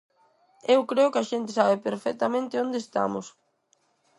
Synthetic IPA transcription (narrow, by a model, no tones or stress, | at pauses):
ewkɾeʊkɪaʃent̪ɪsaβɪpeɾfɛk̚t̪ɐmẽnt̪ɪond̪est̪a̰mʊ̰s